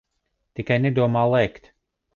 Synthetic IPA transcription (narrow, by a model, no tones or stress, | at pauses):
t̪ikajnɛd̪uɔmaːlˠɛjkt̪